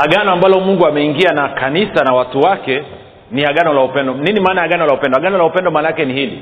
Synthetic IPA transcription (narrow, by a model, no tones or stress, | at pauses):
haɠanɔambalɔmuŋɡuamɛiŋɡianakanisanawatuwakɛ | niaɠanɔlaupɛndɔninimaːnajaɠanɔlaupɛndɔhaɡanɔlaupɛndɔmaːnaakɛnihilḭ